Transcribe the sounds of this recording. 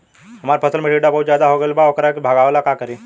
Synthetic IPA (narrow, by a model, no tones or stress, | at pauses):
ɦəmaɾpʰəsəlmeʈiɖapəɦut͡ɕad̪aɦoɡelbaʋəkəɾakbʱaɡaʋlakakəɾi